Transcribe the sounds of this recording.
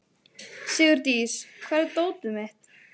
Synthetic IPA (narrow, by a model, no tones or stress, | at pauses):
sɪːɣʏɾt̪iːskʰvɛɾðt̪oːwt̪ʏmɛht̪